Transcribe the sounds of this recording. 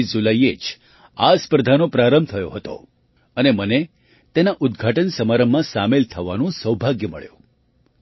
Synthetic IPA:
d͡ʒuləjed͡ʒ | aspɾəd̪ʱanopɾaɾəmbt̪ʰəjo̰ɦət̪o̰ | əneməne | t̪enaʔʊd̪̚ɡʱaʈənsəmaɾəmːãsamelt̪ʰəʋa̰nũsəwbʱaɡjəməɭjũ

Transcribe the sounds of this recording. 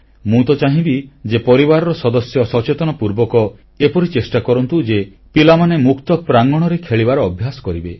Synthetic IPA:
mũt̪ɔt͡ʃaɦĩbid͡ʒepɔɾibaɾɔɾɔsɔd̪ɔsjɔsɔt͡ʃet̪ɔnɔpuɾbɔkɔ | epɔɾit͡ʃesʈakɔɾɔnt̪ud͡ʒe | pilamanemukt̪ɔpɾaŋɡɔɽ̃ɔɾekʰeɭibaɾɔːbʱjasɔ̥kɔɾibe

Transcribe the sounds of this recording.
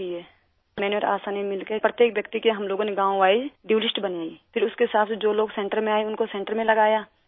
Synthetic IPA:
iɛː | mɛːneɔɾa̰ːsaːnimɪlkepɾɐt̪jeːkʋjɐk̚t̪ikiɦɐmloːɡõneɡãːʋaːiɖiːlɪsʈbɐnaːipʰɪɾʊskeɦɪsaːt̪ʰsed͡ʒoːloːɡsɛ̃ːɳʈəɾmẽaːeʊnkosɛ̃ːɳʈəɾmẽlɐɡaːjaː

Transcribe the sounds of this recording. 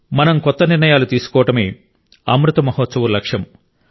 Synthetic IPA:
mɐnɐmkɔt̪ːɐniɾnɐjaːlut̪iːsu̥kɔːʋɐʈɐme̞ː | ɐ̰mɾut̪ɐmɐɦɔːt̪sɐʋulɐkʂjɐm

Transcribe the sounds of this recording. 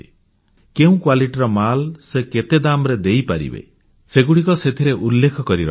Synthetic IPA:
keũkwaliʈiɾɔmalseket̪ed̪amɾed̪ejpaɾḭbḛ | seɡuɽikɔset̪ʰiɾeʔulːekʰɔkɔɾiɾɔ̰

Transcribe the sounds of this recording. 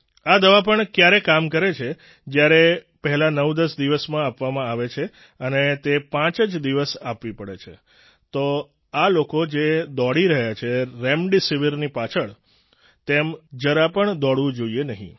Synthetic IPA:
ad̪əʋapəɳkjaɾekamkəɾet͡ʃʰe | d͡ʒjaɾe | pəɦɛlanəʋd̪əsd̪iʋəsmãapʋamãaʋet͡ʃʰe | ənet̪epãt͡ʃəd͡ʒd̪iʋəsapʋipəɽet͡ʃʰḛ | t̪o | alokod͡ʒed̪ɔɽiɾəɦjat͡ʃʰeɾɛmɖisiʋiɾnipat͡ʃʰəɭ | t̪emd͡ʒəɾapəɳd̪ɔɽʋũd͡ʒoienəɦḭ̃

